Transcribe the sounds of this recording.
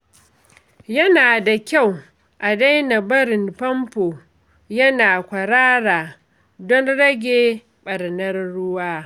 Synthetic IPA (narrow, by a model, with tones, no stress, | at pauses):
jɐ˦naː˨da˨kʲa˦˨w | ʔa˨da˦jna˨bɐ˦ɾɪ˨mpɐ˦mpoː˨ | jɐ˦naː˨kʷɐ˨ɾaː˦ɾaː˨ | dɔ˦nɾɐ˦ɡʲeː˨ | ɓɐ˨ɾnɐ˦rːʊ˦waː˦